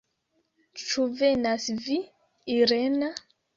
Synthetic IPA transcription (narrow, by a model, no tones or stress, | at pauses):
t͡ʃuvenasvi | iɾena